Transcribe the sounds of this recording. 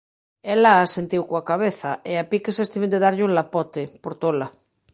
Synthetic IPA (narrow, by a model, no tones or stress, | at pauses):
elaːsent̪iwkoakaβ̞eθaeapikesest̪imend̪eðaɾʎuŋlapɔt̪epoɾt̪ola